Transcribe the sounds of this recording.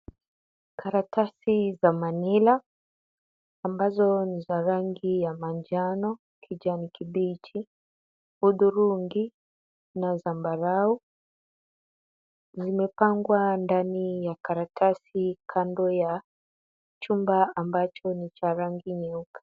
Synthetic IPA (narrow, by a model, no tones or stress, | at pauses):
kʰaɾatasizamanila | mbazɔnizaɾaŋɡijamand͡ʒanɔ | kʰid͡ʒanikibit͡ʃi | uɗuɾuŋɡi | nazambaɾau | zimɛpaŋɡwandanijakaɾatʰasikʰandɔja | t͡ʃumbaambat͡ʃɔnit͡ʃaɾaŋɡiɲɛukḁ